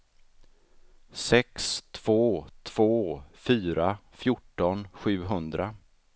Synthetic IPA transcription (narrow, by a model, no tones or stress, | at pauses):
sɛkst̪ʰv̥oːt̪ʰv̥oːfyːɾafjʊʈːɔnɧʉ̟ːɦɵnd̪ɾa